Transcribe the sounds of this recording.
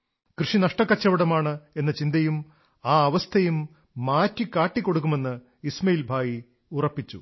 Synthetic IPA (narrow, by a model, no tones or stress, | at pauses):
krɨʂinɐʂʈɐkːɐt͡ɕːɐʋiɽɐmaːɳɨe̞nːɐt͡ɕind̪ɐjum | aːɐʋɐst̪ʰɐjumː | aːtːikːaːʈːikːo̞ɽuk̬ːume̞nːɨ | ismɐjilbʱaːji | urɐpːit͡ɕːṵ